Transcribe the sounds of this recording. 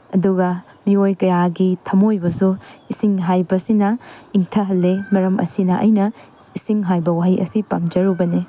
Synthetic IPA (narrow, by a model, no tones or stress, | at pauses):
ɐduɡɐ | miojkɐjaɡitʰɐmojbɐsuisiŋɦajbɐsinɐiŋtʰɐɦɐlːemɐɾɐmʔɐ̰sinɐʔɐjnɐ | isiŋɦajbɐwaɦijʔɐ̰sipɐmd͡ʒɐɾubɐne